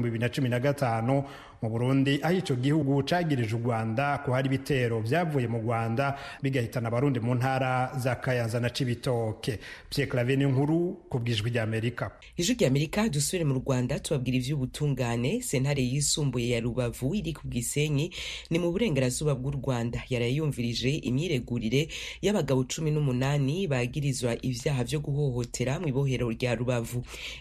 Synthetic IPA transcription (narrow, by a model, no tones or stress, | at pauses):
mbiβiɾinat͡ʃuminaɡataːnu | muβuɾuːndiʔahit͡ʃo̞ɡihuɡut͡ʃaːɡiɾiʒuɾɡwaːndakuhaɾiβite̞ɾo̞vjaːvuje̞muɾɡwaːndaβiɡahitanaβaɾuːndimuːn̥haːɾazakajaːnzanat͡ʃiβitoke̞pjeklaveniŋhuɾukubɡiːʒwiɟaːme̞ɾika | iʒwiɟaːme̞ɾikadusuβiɾe̞muɾɡwaːndatuβab̚ɡiːɾivjuβutʰuːŋɡaːne̞se̞nhaɾe̞jisuːmbuje̞jaɾuβavuiɾikubɡiːse̞ɲinimuβuɾe̞ːŋɡeɾazuːβab̚ɡuːɾɡwaːndajaɾajuːɱviɾid͡ʒe̞ʔḭmɲiːɾe̞ɡuɾiɾe̞jaβaɡaβo̞t͡ʃuminumunaːniβaɡiɾizwaʔivjaːɦavjo̞ɡuɦo̞ho̞tʰe̞ɾamwiːβo̞ɦe̞ɾo̞ɾɟaɾuβavu